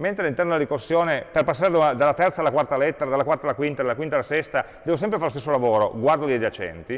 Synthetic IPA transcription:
ment̪ɾealːint̪ɛrnod̪elaɾikosːjoːneperpasːaɾed̪anad̪alːat̪ɛrt̪salːakwart̪alɛt̪ːeɾad̪alakwart̪alːakwint̪ad̪alakwint̪alasɛst̪a | d̪ɛːvos̬ɛmpɾefaɾlost̪esːolavoːɾo̰ɡward̪od̪ed̪at͡ʃɛ̰nt̪i

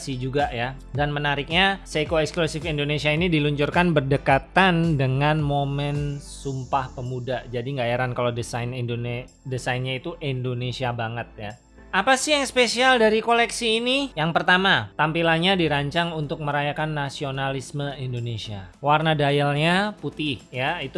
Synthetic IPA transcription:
sid͡ʒuɡaja | danmənaɾɪk̚ɲasekoɛksklusɪfindonesiainidiluɲt͡ʃʊrkanbərdəkat̪andəŋanmomɛnsumpahpəmudad͡ʒadiŋɡajaɾankaladəsanindon | dəsajnɲait̪uʔindonesiabaŋət̪̚ja | apasɪhjaŋspesialdaɾikolɛksiːnijaŋpərt̪amat̪ampilanɲadiɾaɲt͡ʃaŋunt̪ʊk̚məɾajakanːasionalisməindonesiawarnadajalɲaput̪ɪhjait̪u

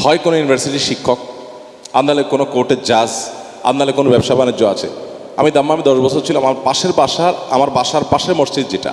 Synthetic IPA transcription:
hɔekonojunibʱaɾsiʈiʃikʰːok̚ | and̪ːalekonokoɾʈeɾd͡ʑaz | a̰nːalekonobɛbʃabaned͡ʑoat͡ɕʰḛ | a̰mid̪amːaamid̪ɔʃbɔt͡ɕʰoɾt͡ɕʰilamapaʃeɾbaʃaɾa̰maɾbaʃaɾpaʃeɾmoʃt͡ɕid̪̚d͡ʑeʈa̰

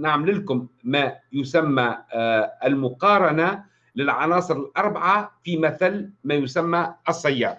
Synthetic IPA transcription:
naʕmlɪlkʊmːajʊsamːa | ɪlmʊqɑːɾˤɑna | lɪlʕɑ̰nɑːsˤɨɾɪlʔɑɾˤbaʕafimaθalmajʊsamːaɑsˤːɑjːɑːɾˤ

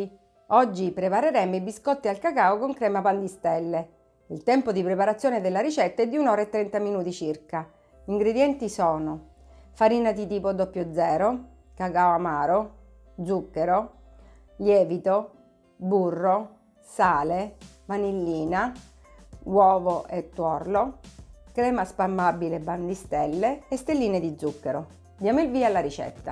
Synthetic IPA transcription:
ɔd͡ʒːipɾepaɾeɾɛmoibiskɔt̪ːialkakaːokoŋkɾɛːmapand̪ist̪ɛlːe | ilt̪ɛmpod̪ipɾepaɾat̪sːjoːned̪elːaɾit͡ʃɛt̪ːaɛd̪ːiunɔːɾaet̪ːɾɛnt̪aminuːt̪it͡ʃirka | iŋɡɾed̪jɛnt̪isɔːno | faɾiːnad̪it̪iːpod̪ɔpːjod̪zɛːɾo | kakaoamaːɾo | d̪zukːeɾo | ljɛːvit̪o | burːo | saːle | vanilːiːna | wɔːvoʔet̪ːwɔrlokɾɛːmaspamːabilebːand̪ist̪ɛlːeːst̪elːiːned̪id̪zukːeɾo | d̪jaːmoilviːalːaɾit͡ʃɛ̰t̪ːa̰

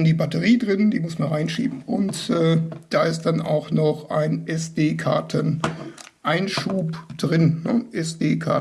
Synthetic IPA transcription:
ndiːbatəʁiːdʁɪnd̥iːmʊsmanʁaɪnʃḭːbm̩ʊntʔɛːd̥aːɪst̚d̥ana̰ʊxnɔχʔa̰ɪnʔɛsd̥eːkʰa̰ɐtʰən | ʔaɪnʃuːpd̥ʁɪnnəʔɛsd̥eːkʰa̰

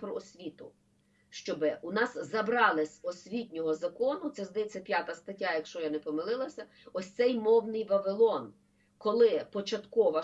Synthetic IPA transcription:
pɾɔɔsʲʋʲit̪ʊ | ʃt͡ʃɔbɪʊnɑszɐbɾɑlˠɪsʲɔsʲʋʲitʲnʲɔɦɔzɐkɔnʊt̪sɛzd̪ɐjɛt͡s̪ʲɐpʲjat̪ɐst̪ɐtʲːajɐkʃt͡ʃɔjanɛpɔmɪlˠɪlˠɐsʲɐ | ɔsʲt̪sɛjmɔwnɪjʋɐʋɪlˠɔn | kɔlˠɪpɔt͡ʃɐt̪kɔʋɐ

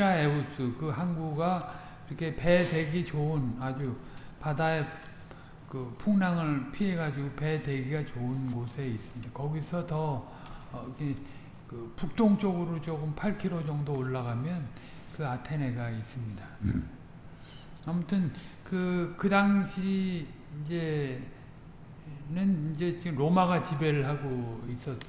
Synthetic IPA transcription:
aeos͈ɯkɯɦanɡuɡa | iɾʌkʰe̞pe̞de̞ɡit͡ɕounad͡ʑupadae | kɯpʰuŋnaŋɯɭpʰieɡad͡ʑiɡope̞de̞ɡiɡat͡ɕounɡosʰe̞is͈ɯmɲid̥akʌɡisʰʌtʌ | ɡe | kɯpuk̚t͈oŋt͡ɕ͈ʌɡɯɾot͡ɕoɡumpʰaɭkʰiɾod͡ʑʌŋdoːɭːaɣamjʌn | kɯatʰe̞ne̞ɡais͈ɯmɲida | amutʰɯnkɯkɯdaŋɕʰiː | nd͡ʑe̞ | nɯnind͡ʑe̞t͡ɕmɾomaɡat͡ɕibe̞ɾɯɭɦaɡois͈ʌt̚t͡ɕ

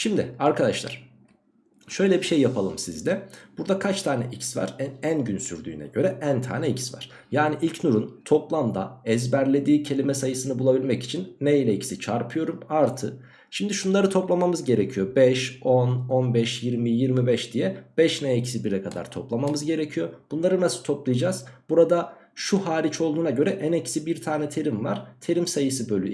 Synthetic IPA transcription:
ʃimd̪ɪaɾkʰad̪aʃlˠa̰ɾ̥ | ʃø̞jlʲɛbiʃe̞jːapʰalˠɯmsizlʲɛb̥uɾd̪akʰat͡ʃt̪ʰaːnɛʔicsva̰ɾɛænɟynsyɾd̪y̰ːnɛ̰ɟø̞ɾɛʔænt̪ʰa̰ːnɛicsva̰ɾ̥ | jaːniʔilʲcnuɾunt̪ʰo̞plˠamd̪a̰ɛzbæɾlʲe̞d̪iːcʰe̞lʲimɛsajɯsɯnɯbulˠabilʲmɛci̥t͡ʃʰinːeilʲɛicʰi̥sit͡ʃʰaɾpʰɯjo̞ɾumaɾt̪ʰɯ | ʃimd̪iʃunlˠaɾɯt̪ʰo̞plˠamamɯzɟe̞ɾecʰijo̞bɛʃononbɛʃjiɾmijiɾmibɛʃd̪ijɛb̥ɛʃnɛecʰi̥sibiɾɛkʰad̪a̰ɾt̪ʰo̞plˠamamɯzɟe̞ɾecʰijo̞b̥unlˠaɾɯnasu̥t̪ʰo̞plˠajad͡ʒaz̥b̥uɾad̪a | ʃuhaːɾit͡ʃʰo̞lˠd̪uːnaɟø̞ɾɛʔænecsibiɾt̪ʰaːnɛt̪ʰe̞ɾimva̰ɾ̥t̪ʰe̞ɾimsajɯsɯbølʲy̰

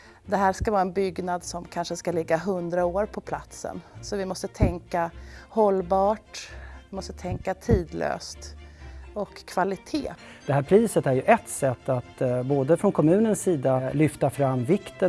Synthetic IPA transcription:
d̪ɛɦæːɾskavɑːɛnbʏɡnad̪sɔmkʰanʂəskalɪɡːaɦɵnd̪ɾaoːɾpʰɔpʰlat̪sə̰nsɔvɪmɔst̪ət̪ʰɛŋkahɔlbɑːʈvɪmɔst̪ət̪ʰɛŋkat̪ʰiːd̪lø̰ːst̪ | ɔkʰːvalɪt̪ʰḛː | d̪̥ɛɦæːɾpʰɾiːsət̪æɾjɵʔɛt̪sɛt̪ːat̪boːd̪əfɾɔnkʰɔmʉ̟ːnənsːiːd̪alʏft̪afɾamːvɪkt̪ə

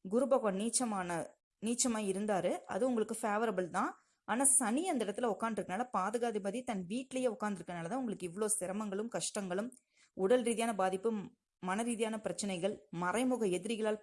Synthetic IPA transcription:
ɡʊɾɯbɐɣoːniːt͡ʃːɐmaːnɐ | niːt͡ʃːɐmaːɪɾɯnd̪aːɾɯʔɐ̰ðɯʊŋɡɐɭɯkːɯfaːʋɐɾɐbɐlt̪ãː | aːnaːsɐnɪjɐnd̪ɐɪɽɐt̪ːɪlɐʊkːaːnd̪ɪɾɯkːɐnaːlɐpaːðɯɣaːðɯbɐðit̪ɐnʋiːʈːlɐjeʊkːaːɾnd̪ɪɾɯkːɐnaːlɐt̪ãːʊŋɡɐɭɯkːɯɪʋːɐɭoːsɪɾɐmɐŋɡɐɭɯmkɐʂʈɐŋɡɐɭɯm | ʊɽɐlɾiːðɪjaːnɐbaːðɪpːɯ | mɐnɐɾiːðɪjaːnɐpɪɾɐt͡ʃːɐnɐɪɣɐɭmɐrɐɪmʊɣɐɛðɪɾɪɣɐɭaːl

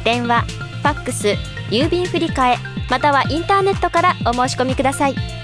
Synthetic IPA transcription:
d̪̥ẽ̞ɰ̃βa | ɸakːɯ̟sɨ | jɯːbʲĩɰ̃ɸɯ̟ɾʲikae̞ | mat̪aβaʔĩnt̪aːne̞t̪ːo̞kaɾao̞mo̞ːɕi̥ko̞mʲikɯ̟d̪asai

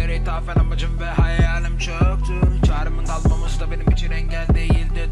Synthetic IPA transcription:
eɾejt̪ʰaːfɛnamad͡ʒɯmvɛɦajaaːlimt͡ʃʰɯt̪ʰɯt͡ʃʰaːɾɯmɯnd̪alˠmamasɯd̪abe̞nimit͡ʃʰinɛɲɟælʲd̪ejilʲd̪ɛ

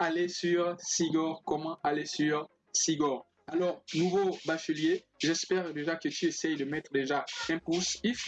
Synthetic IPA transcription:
alesyʁsiɡɔʁkɔmɑ̃alesyʁ | siɡɔʁ | alɔʁnuvobaʃəlje | ʒɛspɛʁd̪eʒakət̪yesɛjd̪əmɛt̪χəd̪eʒaɛ̃pusif

